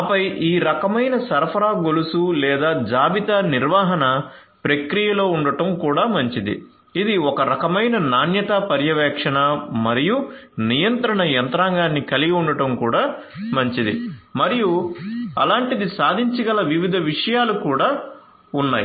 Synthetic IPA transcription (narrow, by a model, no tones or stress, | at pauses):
pɐjʔiːɾɐkɐmɐjnɐsɐɾɐpʰɐɾaːɡolusulɛːd̪aːd͡ʒaːbit̪aniɾʋaːɦɐnɐ | pɾekɾijɐlo̞ːuɳɖɐʈɐmkuːɽaːmɐɲt͡ʃid̪ḭ | id̪iɔkɐɾɐkɐmɐjnɐnaːnjɐt̪apɐɾjɐʋɛːkʂɐɳɐmɐɾijunijɐnt̪ɾɐɳɐjɐnt̪ɾaːŋɡaːnːikɐliɡɐuɳɖɐʈɐmkuːɽaː | mɐɲt͡ʃid̪ḭmɐɾijuɐ̰laːɳʈid̪isaːd̪ʱiɲt͡ʃɐɡɐlɐʋiʋid̪ʱɐʋiʂɐjaːlukuːɽaː | unːaːji